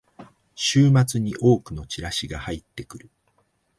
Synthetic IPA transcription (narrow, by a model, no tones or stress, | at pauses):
ɕɨːmat͡sɨɲ̟iʔo̞ːkɯ̟no̞t͡ɕiɾaɕiɡahait̪ːe̞kɯ̟ɾɯ̟